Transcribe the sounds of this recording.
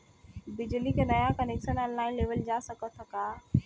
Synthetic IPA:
bɪd͡ʑlikʰenɐjakɐnekʃənənlaːɪ̃leːʋəld͡ʑaːsɐkət̪ʰɐkaː

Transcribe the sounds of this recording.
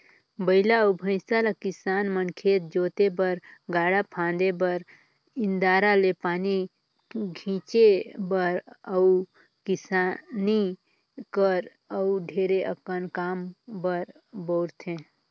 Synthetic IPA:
bəɪlaəʊbʱə̃ɪ̃salakɪsaːnmənkʰeːt̪̚d͡ʒoːt̪ebəɾɡaːɽapʰãːnd̪ebəɾ | ɪnd̪aːɾalepaːni | ɡʱĩːt͡ʃebəɾəu | kɪsani | kəɾ | əuɖʱeːɾeʔəkənkaːmbəɾ | boːɾt̪ʰẽ

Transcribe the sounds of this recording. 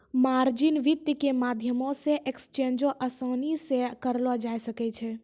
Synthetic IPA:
maɾd͡ʒɪnʋɪt̪ːjəkemad̪ʱjəmõsẽʔekst͡ʃẽnd͡ʒõʔəsɔːnisekəɾlɔd͡ʒajsəkɛt͡ʃʰɛ

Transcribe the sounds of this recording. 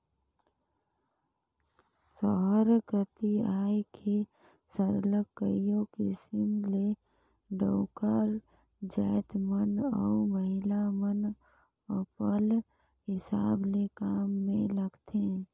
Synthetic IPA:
səɦəɾkət̪iaːjkʰe | səɾləkːəijõkisɪmle | ɖəʊkaɾ | d͡ʒəɪt̪mənɔ̰uməɦɪlamən | əpəl | ɦɪsaːblekaːmːẽləɡt̪ʰe

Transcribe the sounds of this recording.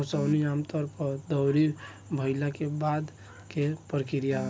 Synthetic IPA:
sawniamt̪əɾpəd̪əwɾi | bʱəɪlakebad̪ | kepɾəkiɾija

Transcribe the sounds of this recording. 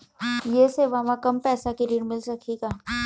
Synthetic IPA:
jeːseːʋaːʋãkɐmpɛːsakiɾiːɽmɪlsɐkʰiɡaː

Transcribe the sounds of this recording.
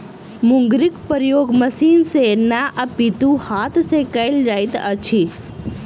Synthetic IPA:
mʊŋɡɾikpəɾjoɡməsinsenaʔəpit̪ũhat̪sekajld͡ʒajt̪ət͡ʃʰi

